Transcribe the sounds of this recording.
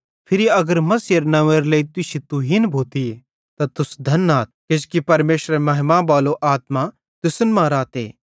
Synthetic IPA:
pʰɪɾiɐɡəɾmɐsjəɾnɐʋəɾleit̪ʊʃit̪uɦinbʱoːt̪ie | t̪at̪ʊsd̪ʱɐnaːt̪̚kɪskipɐɾmeːʃɾemɐɦɪmãbaːloʔaːt̪ma | t̪ʊsənmãɾaːt̪ḛː

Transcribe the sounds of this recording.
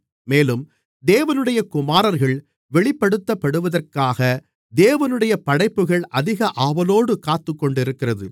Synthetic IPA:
meːlɯm | d̪eːʋɐnɯɽɐjɐkʊmaːɾɐɾɣɐɭ | ʋɛɭɪpːɐɽɯt̪ːɐpːɐɽɯʋɐðɐrkaːɣɐ | d̪eːʋɐnɯɽɐjɐpɐɽɐɪpːɯɣɐɭʔɐðɪɣɐʔaːʋɐloːɽɯkaːt̪ːɯkːɔɳɖɪɾɯkːɪrɐðɯ̰

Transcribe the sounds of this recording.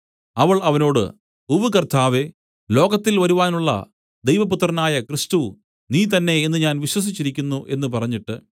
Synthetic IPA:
ɐʋɐɭɐʋɐno̞ːɽɨ̰ | uʋɨkɐrt̪ʰaːʋe̞ | lo̞ːɡɐt̪ːilʋɐɾuʋaːnuɭːɐ̰ | d̪ejʋɐput̪ːrɐnaːjɐkrist̪u | niːt̪̬ɐnːe̞ːnːɨɲaːnʋiɕwɐs̬it͡ɕːiɾikʲːunːuʔe̞nːɨpɐrɐɲːiʈːɨ

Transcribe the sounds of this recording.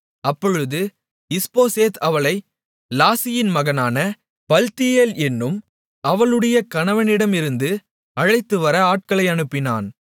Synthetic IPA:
ɐpːɔɻɯðɯ | ɪspoːseːt̪ʰɐʋɐɭɐɪ | laːsɪjɪnmɐɣɐnaːnɐ | pɐlt̪ɪjeːlɛnːɯm | ɐʋɐɭɯɽɐjɐkɐnɐʋɐnɪɽɐmɪɾɯnd̪ɯ | ɐɻɐɪt̪ːɯʋɐɾɐaːʈ̚kɐɭɐɪɐɳɯpːɪna̰ːn

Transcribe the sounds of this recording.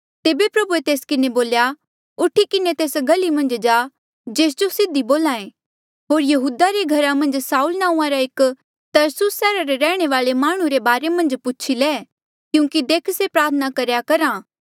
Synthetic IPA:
t̪eːbepɾɐbuet̪eːskɪneboːlja | ʊʈʰːikɪnet̪eːsɡʱɐlimɐ̃nd͡ʒd͡ʒaː | d͡ʒeːs̬d͡ʒosɪd̪iboːlãːẽ | ɦoːɾjɐɦuːd̪aɾeɡʱɐɾamɐ̃nd͡ʒsaːuːlnãːũãɾaɪk | t̪ɐɾsʊsːɛːɾaɾeɾɛːɽ̃eʋaːɭemaːɽ̃ũɾebaːɾemɐ̃nd͡ʒpʊt͡ʃʰileː | kjũːkid̪eːkʰsepɾaːt̪ʰənakɐɾjakɐɾaː

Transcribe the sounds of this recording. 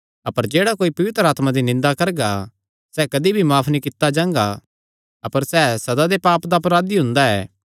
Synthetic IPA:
ɐpəɾd͡ʒeːɽakoːipɐʋɪt̪ɾəaːt̪mad̪inɪ̃nd̪akɐɾɡa | sɛːkɐd̪ibʱimaːpʰnikɪt̪ːad͡ʒãːŋɡa | ɐpəɾsɛːsɐd̪ad̪epaːpd̪aɐpɾaːd̪iɦʊ̃nd̪aɛː

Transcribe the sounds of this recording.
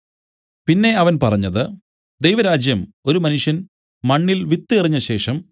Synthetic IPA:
pinːe̞ɐʋɐnpɐrɐɲːɐðɨ | d̪ejʋɐɾaːd͡ʑjɐmo̞ɾumɐnuʂjɐn | mɐɳːilʋit̪ːiɐriɲːɐɕe̞ːʂɐm

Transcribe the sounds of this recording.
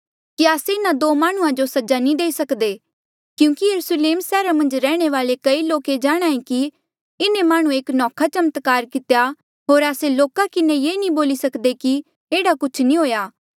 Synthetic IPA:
kiaːseɪnãd̪oːmaːɽ̃ʊ̃ãd͡ʒosɐd͡ʒanĩd̪eːisɐkd̪eː | kjũːkijɐɾusleːmsɛːɾamɐ̃nd͡ʒɾɛːɽ̃eʋaːlekɐiloːked͡ʒaːɽ̃aːĩki | ɪnẽmaːɽ̃ũeːknɔːkʰat͡ʃɐmət̪kaːɾkɪt̪eja | ɦoːɾaːseloːkakɪnẽjeːnĩboːlisɐkd̪eki | eːɽakʊt͡ʃʰnĩɦoːjaː

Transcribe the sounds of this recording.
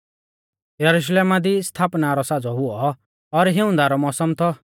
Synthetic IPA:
jɐɾuʃleːmad̪ist̪ʰaːpnaɾɔsad͡zɔɦʊɔː | ɾɦɪʊ̃nd̪aɾɔmɔsɔmt̪ʰɔ

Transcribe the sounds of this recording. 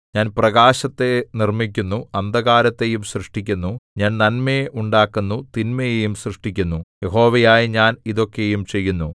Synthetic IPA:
ɲaːnprɐɣaːɕɐt̪ːe̞nirmik̬ʲːunːuɐnd̪ɐɣaːɾɐt̪ːe̞jumɕrɨʂʈikʲːunːuɲaːnnɐnmejeʔuɳɖaːkːunːut̪inmɐjejumsrɨʂʈikʲːunːuje̞ɦo̞ːʋɐjaːjiɲaːniðo̞kːe̞jumt͡ɕe̞jːunːu

